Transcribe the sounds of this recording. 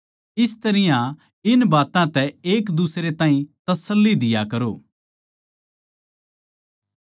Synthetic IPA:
ɪst̪ɐɾɪjã | ɪnbaːt̪ãt̪ɛeːkd̪usɾet̪ãːĩt̪ɐsəlːid̪ɪjakɐɾoː

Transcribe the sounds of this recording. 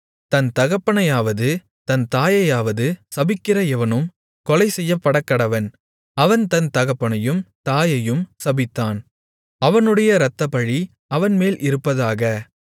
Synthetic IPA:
t̪ɐnt̪ɐɣɐpːɐɳɐjaːʋɐðɯ | t̪ɐnt̪aːjɐjaːʋɐðɯsɐbɪkːɪrɐɛʋɐnɯm | kɔlɐɪsɛjːɐpːɐɽɐkːɐɽɐʋɐn | ɐʋɐnt̪ɐnt̪ɐɣɐpːɐɳɐjɯmt̪aːjɐjɯmsɐbɪt̪ːaːn | ɐʋɐnɯɽɐjɐɾɐt̪ːɐpɐɻi | ɐʋɐnmeːlʔɪɾɯpːɐðaːɣɐ

